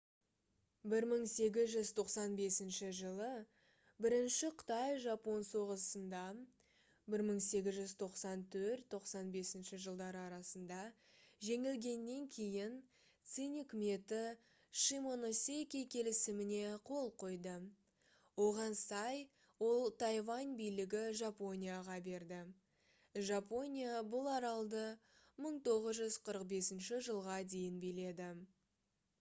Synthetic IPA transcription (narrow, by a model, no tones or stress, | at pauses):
bɪɾməɴse̞ɡʲɪzʒʏzt̪ʰo̞qsɑnbe̞sɪnʃɪʒəlˠə | bɪɾɪnʃɪqʰʊ̥t̪ɑjʒɑpo̞nso̞ʁəsənd̪ɑ | bɪɾməɴse̞ɡʲɪzʒʏzt̪ʰo̞qsɑnt̪ʰɵɾt̪ʰːo̞qsɑnbe̞sɪnʃɪʒəlˠd̪ɑɾəɑɾɑsənd̪ɑ | ʒe̞ŋɪlɡʲe̞nːe̞ŋkʲʰe̞jɪn | t̪sɨnkʲɪme̞t̪ɪ | ʃimo̞no̞sʲekʲekʲʰe̞lɪsɪmɪne̞qʰo̞lˠqʰo̞jd̪ə | wo̞ʁɑnsɑj | wo̞lˠt̪ʰɑjvɑnbijlɪɡʲɪʒapo̞nʲijaʁɑbe̞ɾd̪ɪ | ʒapo̞nʲijabʊlˠɑɾɑlˠd̪ə | məɴt̪ʰo̞ʁəzʒʏzqʰəɾəqbe̞sɪnʃɪʒəlˠʁɑd̪e̞jɪnbijle̞d̪ɪ